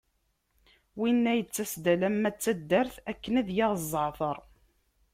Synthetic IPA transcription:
winːæjət͡sːæsd̪ælæmːæt͡sːæd̪ːæɾθækːənæðjɑʁzˤːəʕθəɾˤ

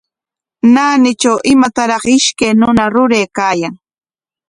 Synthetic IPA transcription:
naːnɪt͡ʃawʔɪmat̪aɾɑχɪʃkejnʊnaɾʊɾejːkaːjaŋ

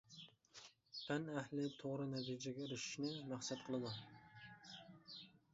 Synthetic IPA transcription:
p̪ʰænæhlɪt̪ʰoʁɾɨnɛt̪ʰid͡ʒɛɡʲɛɾyʃɪ̥ʃnɪmæχsat̪̚qʰəlˠɨd̪u

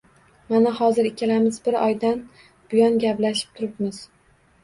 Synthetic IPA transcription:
manahɒzɪɾɪkʲʰalamɪzbɪɾɒjd̪an | b̥ʊjɒnɡʲaplaʃɪ̥p̚t̪ʰʊɾɪpmɪz̥

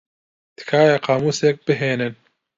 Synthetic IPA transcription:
d̪̥ɨ̥kʰaːjaqʰɑːmuːsek̚b̥ɨɦeːnɨn

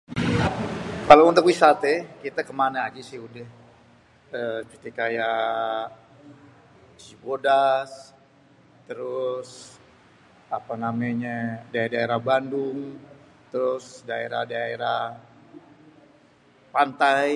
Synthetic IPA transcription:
kalaunt̪ukwisat̪ekit̪akəmanaːd͡ʒasɪhudɛh | ət͡ʃət̪ikaja | sibodas | t̪əɾʊs | apanamaɲadaedaeɾabandʊŋ | t̪əɾʊsdaeɾa̰hdaeɾa | pant̪aj

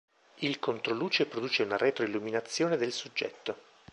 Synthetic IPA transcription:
ilkont̪ɾoluːt͡ʃepɾod̪uːt͡ʃeunaɾet̪ɾoilːuminat̪sːjoːned̪elsud͡ʒːɛ̰t̪ːo

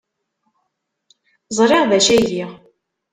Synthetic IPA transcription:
zˤɾˤɪʁðæʃæʝiʁ

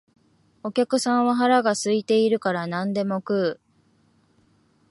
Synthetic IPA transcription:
o̞kʲakɯ̟sãɰ̃βaɦaɾaɡasɨit̪e̞iɾɯ̟kaɾanãnd̪e̞mo̞kɯ̟ː

